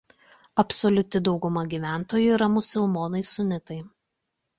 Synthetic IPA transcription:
ɐpsɔlʲʊt̪ʲɪd̪ɒʊɡʊmɐɡʲiːʋʲæˑnt̪oːjʊiɾɐmʊsʲɪlˠmoːnɐɪsʊnʲɪt̪ɐɪ

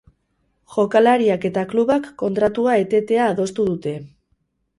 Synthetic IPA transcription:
ʝo̞kalaɾiake̞t̪akluβakːo̞nt̪ɾat̪uae̞t̪e̞t̪e̞aːðo̞st̪uðut̪e̞

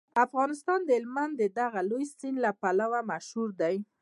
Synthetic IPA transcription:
afɣɑnɪst̪ɑnd̪əɪlmand̪əd̪aɣalojsinlapalawamaʃhuɾd̪aj

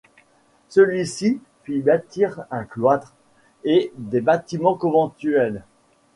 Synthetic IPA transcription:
səlɥisi | fibat̪iʁɛ̃klwat̪χ | ed̪ebat̪imɑ̃kɔ̃vɑ̃t̪yɛl

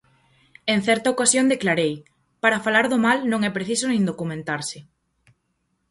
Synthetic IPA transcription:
ẽn̟θɛɾt̪aokasjõnd̪eklaɾej | paɾafalaɾðʊmalnõŋɛpɾeθisonẽŋd̪okumẽnt̪aɾsɪ

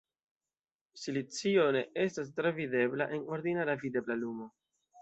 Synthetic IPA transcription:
silit͡sio̞ne̞ʔe̞stas̬tɾevide̞bla̰ʔe̞no̞ɾd̪inaɾavide̞blalumo̞

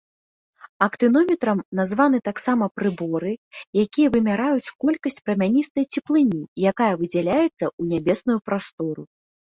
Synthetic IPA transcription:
ɐkt̪ɨnɔmʲɛt̪ɾɐmnazvanɨt̪aksamɐpɾɨbɔɾɨjakʲijɐvɨmʲaɾajut͡sʲkɔlʲkɐsʲt͡sʲpɾɐmʲanʲist̪ɐjt͡sʲɛplˠɨnʲijakajɐvɨd͡zʲalʲajɛt̪sːɐunʲabʲɛsnujupɾast̪ɔɾṵ

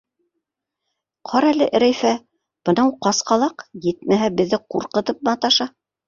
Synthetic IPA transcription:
qʰɑɾælɘʔɘ̆ɾæjfæ | b̥ɤ̆nɑwqɑsqɑlˠɑqjɘt̪̚mæɦæbɘ̆ðːɘquɾqɤ̆t̪ɤp̚mɤɑt̪ɑʃɑ

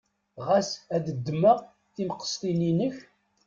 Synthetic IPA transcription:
ʁæsæd̪əd̪ːməʁ | θilqə̥st̪ˤilinəç

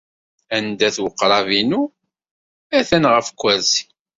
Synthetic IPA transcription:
ænd̪æθwəqːɾˤɑvinu | æθænʁəfkʷːæzi̥

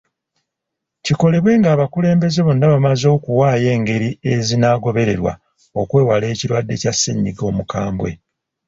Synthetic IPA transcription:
ciko̞le̞βwe̞ːŋɡaːβakule̞ːmbe̞ze̞βonːaβamazo̞ːkuwaːje̞ːŋɡe̞ɾie̞zinaːɡo̞βe̞ɾe̞ɾwa̰ | o̞kwe̞ːwale̞ːciɾwadːe̞casːeɲːiɡo̞ːmukaːmbwe̞̰

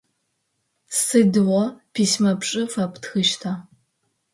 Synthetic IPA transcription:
sɨdwɔpʰiːsmɐpʂʼɨfɐptxɨʃtʰa

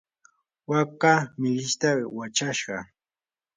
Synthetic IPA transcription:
wakamɪʎɪʃt̪awat͡ʃaʃɢɑ

